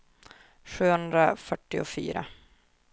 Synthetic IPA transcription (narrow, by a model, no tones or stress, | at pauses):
ɧʉ̟ːhɵnd̪ɾafœʈːɪʊfy̰ːɾa̰